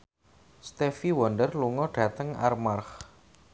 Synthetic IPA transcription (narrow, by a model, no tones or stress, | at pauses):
st̪efiwɔndərluŋɔɖ̥ä̤t̪əŋa̰rmarx